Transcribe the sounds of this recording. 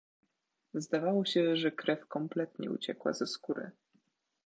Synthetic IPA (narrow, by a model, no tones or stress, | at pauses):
zd̪avawɔɕɛʐɛkɾɛfkɔmplɛt̪ɲɛ̰ṵt͡ɕɛkwa̰zɛskuɾɘ̰